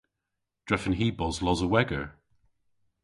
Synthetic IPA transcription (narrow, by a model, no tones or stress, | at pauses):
d̥ɹɛfə̃nɦiːbɔzlɔzəwɛɡəɹ